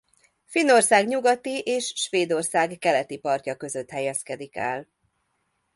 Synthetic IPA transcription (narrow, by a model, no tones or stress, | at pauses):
finːo̞rsaːɡɲuɡɒt̪iʔeːʃːʋeːd̪o̞rsaːɡːɛlɛt̪ipɒrcɒkø̞zø̞t̪hɛjɛskɛd̪ikɛ̰l